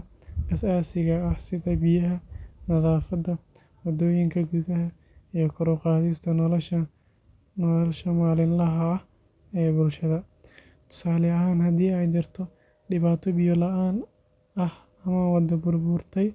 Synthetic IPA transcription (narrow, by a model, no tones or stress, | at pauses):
ɐsaːsɪɣɐːhsɪðɐbɪjɐɦɐnɐðaːfɐd̪ɐ | wɐd̪ɔːjɪŋkʰɐɡuːðɐɦɐ | ijɞkʰɔɾɔqɑːðist̪ʰɐnlʃɐ | nlʃɐmaːlɪnlɐɦɐh | ɛːbʊlʃɐðɐ | t̪ʰʊ̥saːlɪɐɦaːnhɐd̪iːɛjd̪ɪrt̪ʰɔ | ɖɪβaːt̪ʰɔbɪjɔlɐʔaːn | ɐh | ɐmaːnwɑd̪ɐbʊrbʊrt̪ʰɛj